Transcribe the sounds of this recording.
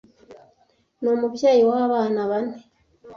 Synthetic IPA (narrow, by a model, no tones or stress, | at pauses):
noːmuβjaːjiwaːβaːnaβani